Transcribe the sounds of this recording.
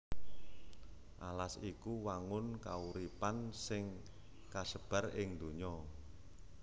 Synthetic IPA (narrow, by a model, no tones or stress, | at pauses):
ʔalasikuwaŋʊnkauɾipansɪŋ | kasəb̥a̤rɪŋd̪o̤ɲɔ